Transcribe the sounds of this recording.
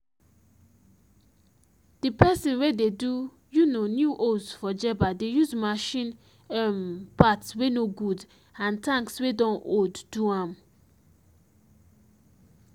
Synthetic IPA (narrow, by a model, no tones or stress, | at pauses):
d̥ipɛsĩnwededu | junonjuʔosfɔd͡ʒɛbadejuzmaʃĩn | mpatswenoɡud | ãntãŋkswedɔ̃nʔodduãm